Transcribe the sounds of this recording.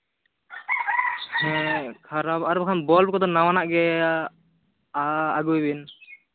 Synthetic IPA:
hɛ̃kʰaɾabaɾubakʰanbɔlkɔd̪ɔnawanaʔɡɛ | aaɡujbin

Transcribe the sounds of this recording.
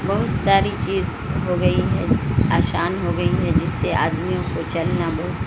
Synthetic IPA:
bɐɦʊt̪saːɾit͡ʃiːz | ɦoɡɐiɦɛaːʃaːnɦoɡɐiɦɛd͡ʒɪsːeʔa̰ːd̪mijõkot͡ʃɐlnabɐɦʊt̪

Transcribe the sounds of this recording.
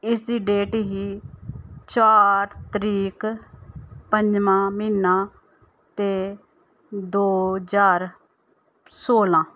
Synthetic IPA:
ɪsd̪iːɖeːʈɦiː | t͡ʃaːɾt̪əɾiːk | pəɲd͡ʒmãːmiːnãː | t̪eː | d̪oːd͡ʒaːɾ | soːlãː

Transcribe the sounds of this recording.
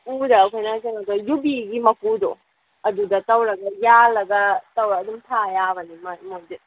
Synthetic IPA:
udɐːkʰojnakɐŋɐɡɐjubiɡimɐkudo | ɐdudɐtɐwlɐɡɐjalɐɡɐtɐwɾɐːdumtʰajabɐnimɐmojd͡ʒe

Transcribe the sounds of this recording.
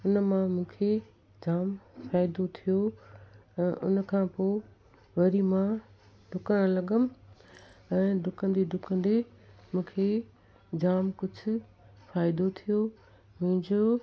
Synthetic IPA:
ʊnmãmũːkʰe | d͡ʑaːmfaːɪd̪ot̪ʰijo | ɛ̃ːʔʊ̰nkʰãpoː | ʋɐɾimã | ɖʱʊkəɽ̃ə̃lɐɠəmɪ̆ | ɛ̃ːɖʱʊkə̃nd̪eɖʱʊkə̃nd̪emũːkʰe | d͡ʑaːmkʊd͡ʑʱʊ̆ | faːɪd̪ot̪ʰijo | mʊ̃ɦɪ̃ɲd͡ʑo

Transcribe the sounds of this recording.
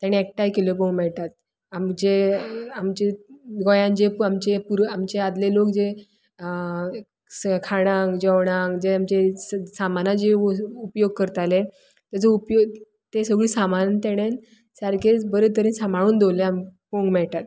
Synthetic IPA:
t̪jaɽ̃iek̚ʈajkelopõŋɡmɛɭʈ̪at̪̚ | amd͡ʑeamt͡ɕeɡojãnd͡ʑepamt͡ɕepuɾamt͡ɕead̪lelokd͡ze | skʰaɽ̃ãŋɡd͡ʑəʋɽ̃ãŋɡd͡ʑeamt͡ɕesamanad͡ʑeupjoɡ̚kəɾt̪ale | t̪əd͡zəupjo | t̪esəɡɭiːsamannt̪eɽ̃en | saɾkʰebəɾet̪əɾiːnsamaɽ̃uːnd̪owleampoŋɡmɛɭt̪at̪

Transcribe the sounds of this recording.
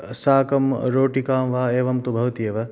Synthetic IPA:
saːkɐmɾoːʈikaːmʋaːeːʋɐmt̪ubʱɐʋt̪ijɐʋɐ

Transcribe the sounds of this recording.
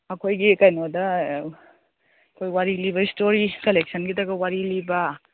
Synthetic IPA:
ɐkʰojɡikɐjnodɐ | kʰojwaɾiliβɐistoɾikɐlek̚sɐnɡidɐɡɐwaɾilibɐ

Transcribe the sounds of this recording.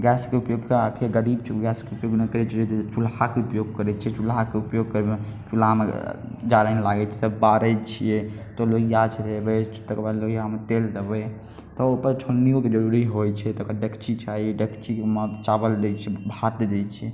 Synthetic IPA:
ɡɛskeupjoɡkəak̪ʰieɡəɾibt͡ʃʰɡɛskeupjoɡnɛkəɾɛt͡ʃʰɛet̪t͡ʃulɦakeupjoɡkəɾɛt͡ʃʰiɛt͡ʃulɦakeupjoɡ̚kəɾbet͡ʃulamḛd͡ʒaɾanelaɡɛt͡ʃʰɛ̥səbbaɾət͡ʃʰijɛt̪oloɡijat͡ʃʰɛɾɛbɛt̪əkbəloɡijamet̪eld̪əbɛ | t̪ɔopəɾt͡ʃʰonːijoked͡ʒəɾuɾiɦojt͡ʃʰɛt̪ɔokɖəkʰt͡ʃit͡ʃʰaiɖəkʰt͡ʃikmat͡ʃabəld̪ɛt͡ʃʰɛbʱat̪d̪ɛt͡ʃʰɛ

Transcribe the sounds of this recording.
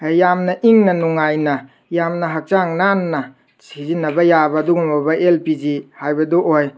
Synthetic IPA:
jamnɐʔiŋnɐnuŋajnɐ | jamnɐɦak̚t͡ʃaŋnanːɐ | sizinːɐbɐjabɐːduɡumbɐbɐʔelpid͡ʒihajbɐduʔoj

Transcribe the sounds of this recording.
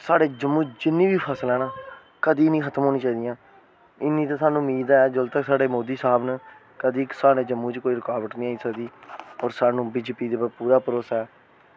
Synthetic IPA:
saːɖeːd͡ʒəmːũːd͡ʒɪnːĩːbiːpʰəsəlɛːnaː | kəd̪iːnĩːkʰət̪əmɦoːnĩːt͡ʃaːiːd̪ɪjãː | ɪnːĩːt̪ãːsaːnũːmiːd̪aːɛːd͡ʒəlt̪əksaːɖeːmoːd̪iːsaːbnə | kəd̪iːksaːɽeːd͡ʒəmːũːt͡ʃkoːiːɾɪkaːʋəʈnĩːaːiːsəkd̪iːɔːɾsaːnũːbiːd͡ʒeːpiːd̪eːpəpuːɾaːpəɾoːsaɛː

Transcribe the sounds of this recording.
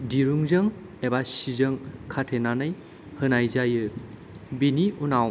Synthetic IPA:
diɾuŋzɯŋ | ebasizɯŋkʰatʰenanɯj | hɯnajzajɯ | biniunaw

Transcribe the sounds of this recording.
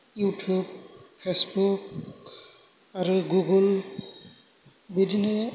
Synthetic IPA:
jutʰubpʰesbuk | aɹuɡuɡɔl | bidinɛ

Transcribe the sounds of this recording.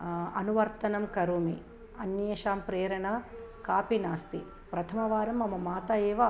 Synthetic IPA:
ɐnuʋɐɾt̪ɐnɐmkɐɾuːmi | ɐnjɐeʃaːmpɾeːɾɐɳɐkaːpinaːst̪i | pɾɐt̪ʰɐmɐʋaːɾɐmːɐmɐmaːt̪ɐeːʋɐ

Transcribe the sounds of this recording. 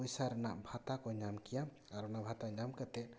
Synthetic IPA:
ɔjsaɾnaʔbʱat̪akɔɲamkija | aɾɔnabʱat̪aɲamkat̪ɛ

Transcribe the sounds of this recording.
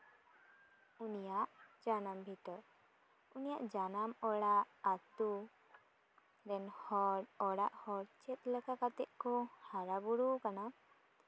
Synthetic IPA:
unijaʔd͡ʒanambʱit̪əɾ | unijaʔd͡ʒanamɔɽaʔat̪u | ɾɛnhɔɽɔɽaʔhɔɾt͡ʃɛt̪̚ləkakat̪ɛʔ̚kɔhaɾabuɽukana

